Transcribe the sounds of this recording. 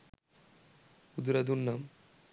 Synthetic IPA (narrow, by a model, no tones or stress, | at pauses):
ud̪ɾɐd̪unːɐm